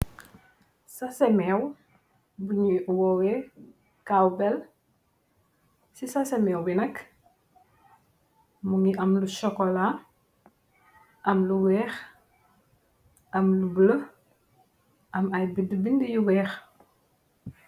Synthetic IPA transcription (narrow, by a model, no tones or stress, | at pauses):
sasɛmɛw | buɲiwɔwɛ | kawbɛl | sisasɛmɛːwbinɐk | muŋiʔɐmlusɔkɔla | ʔɐmluwɛːx | ʔɐmlubələ | ʔɐmɐjbidəbindijuwɛːx